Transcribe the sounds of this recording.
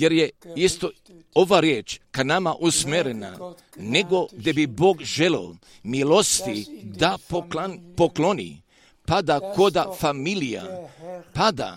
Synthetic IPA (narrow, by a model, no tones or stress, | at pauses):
jeɾjeist̪o̞ | oʋaɾjeːt͡ʃkanamaʔusmeɾena̰ | neɡo̞ɡd̪e̞biboːɡʒeleo | milo̞st̪id̪apopoklonḭ | pad̪ako̞d̪afamilija̰pad̪a̰